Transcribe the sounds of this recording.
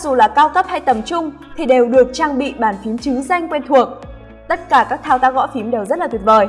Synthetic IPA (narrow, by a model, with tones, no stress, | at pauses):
a˦˥k̚zu˨˩laː˨˩kaː˧wkə˦˥p̚ha˧jt̪ə˨˩mt͡ɕʊ˧ŋ͡m | t̪ʰi˨˩ɗe˨˩wɗɨ˨˩ək̚t͡ɕaː˧ŋɓḭ˧˨ɓaː˧˩nfi˨˦mt͡ɕɨ˨˦za˧jŋ̟kwe˧nt̪ʰu˨˩ək̚ | t̪ə˦˥t̚kaː˧˩kaː˦˥k̚t̪ʰaː˧wt̪aː˧˥ɣɔ̰˧˥fi˨˦mɗe˨˩wzə˦˥t̚laː˨˩t̪i˨˩k̚vəː˨˩j